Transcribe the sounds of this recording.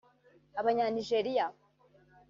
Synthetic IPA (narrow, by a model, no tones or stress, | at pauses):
aβaɲaniʒeɾija